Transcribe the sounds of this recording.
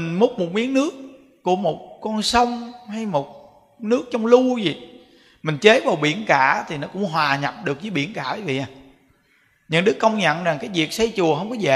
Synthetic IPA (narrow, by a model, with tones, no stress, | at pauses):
i˨˩nmʊ˦˥k͡p̚mo˨˩t̚mi˨˦əŋnɨ˦˥ək̚ː | u˧˩˦əmo˨˩t̚kɔ˧nsə˧wŋ͡mha˧jmo˨˩t̚ | nɨ˦˥ək̚t͡ɕɔ˧wŋ͡mlu˧zi˨˩ | mï˨˩ŋ̟t͡ɕe˨˦vaː˨˩wɓḭ˧˩˦ənkaː˧˩˦t̪ʰi˨˩nɔ˨˦kʊ̰˧˥ŋ͡mɦwaː˨˩ɲa˨˩p̚ɗɨ˨˩ək̚zəː˨˦jɓḭ˧˩ənkaː˧˩a˨˦vḭ˧˨ʔaː˨˩ | ɲɨ̰˧˥ŋɗɨ˦˥kːə˧wŋ͡mɲə̰˧˨nzaː˨˩ŋkaː˨˦jvi˨˩ək̚sə˧jt͡ɕu˨˩əɦə˧wŋ͡mkɔ˨˦za̰˧˨